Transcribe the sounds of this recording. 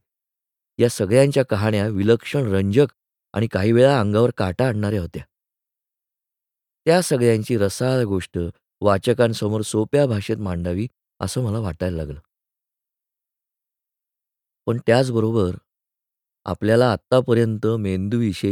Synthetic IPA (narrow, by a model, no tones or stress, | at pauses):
jasəɡɭjãɲt͡ɕjakəɦaɳjaʋiləkʂəɳɾəɲd͡ʑək | a̰ɽ̃ikaɦiːʋeɭãːŋɡaʋəɾkaʈaːɳɳaɾeɦot̪ja | t̪jasəɡɭjaɲt͡ɕiːɾəsaɭɡoʂʈə | ʋat͡ɕəkãnsəmoɾsopjabʱaʂet̪maɳɖaʋiː | ə̰səːm̤əlaʋaʈajɾlaɡləː | pəɳt̪jat͡sbəɾobəɾ | a̰pljalaːt̪ːapəɾjənt̪əmend̪uʋiɕe